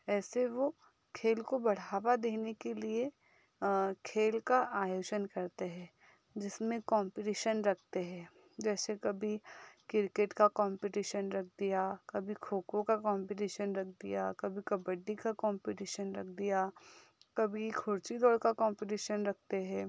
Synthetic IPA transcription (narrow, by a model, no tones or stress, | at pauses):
ɛːseʋo | kʰeːlkobɐɽ̤aːʋad̪eːnekelie | kʰeːlkaʔaːjoːd͡ʒənkɐɾt̪eɦɛ̃ː | d͡ʒɪsmẽkɔ̃ːmpɪʈiːʃənɾɐk̚ʰt̪eɦɛ̃ː | d͡ʒɛːsekɐbʱikɪɾkeʈkakɔ̃ːmpɪʈiːʃənɾɐk̚ʰd̪ijakɐbʱikʰoːkõkakɔ̃ːmpɪʈiːʃənɾɐk̚ʰd̪ḭjakɐbʱikɐbəɖːikakɔ̃ːmpɪʈiːʃənɾɐkʰd̪ijakɐbʱikʰʊɾt͡ʃid̪ɔːɽkakɔ̃ːmpɪʈ̬iːʃənɾɐk̚ʰt̪eɦɛ̃ː